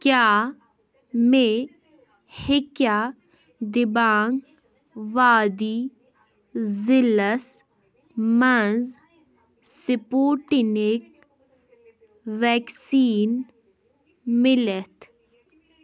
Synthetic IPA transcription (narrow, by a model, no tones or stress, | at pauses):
kjaː | me | hɪkjaː | d̪ɪbaːŋɡ | ʋaːd̪i | zɪləs | mɐnz | sɪpoːʈinek | ʋɛːksiːn | mɪlet̪ʰ